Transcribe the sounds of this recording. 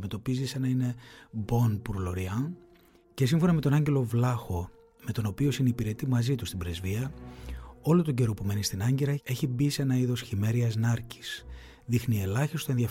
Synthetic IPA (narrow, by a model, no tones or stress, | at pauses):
me̞t̪o̞pizisenɐine̞bo̞npuɾlo̞ɾiɐ | ce̞siɱfo̞nɐme̞t̪o̞nɐɲɟe̞lo̞vlɐxo̞ | me̞t̪o̞no̞pio̞sinipiɾe̞t̪imɐzit̪ust̪ibɾe̞zviɐ | o̞lo̞t̪o̞ɟe̞ɾo̞pume̞nist̪inɐɲɟeɾɐe̞çibise̞nɐiðo̞sçime̞ɾiɐznɐɾci̥s | ðixnie̞lɐçist̪oe̞nðiɐ